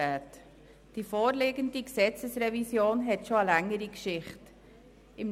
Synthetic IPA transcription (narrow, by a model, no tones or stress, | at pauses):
æːt | d̥ifoːɾleːɡəndiksɛt͡səsrɛvisjoːnɦɛtʃoəlæŋːəɾikʃɪχt | ɪm